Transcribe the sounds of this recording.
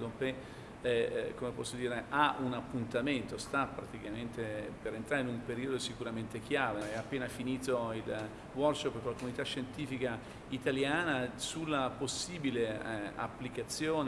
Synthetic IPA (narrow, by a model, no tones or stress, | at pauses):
d̪ompe | komepɔsːod̪iːɾeʔaunapːunt̪ament̪ost̪apːɾat̪ikament̪epeɾent̪ɾaːɾeinumpeɾiːod̪osikuɾament̪ek̟jaːveɛapːeːnafiniːt̪oil | wɔrkʃopːk̪ulakomunit̪aʃːent̪iːfika | it̪aljaːnasulːaposːiːbilea̰pːlikat̪sːjoːn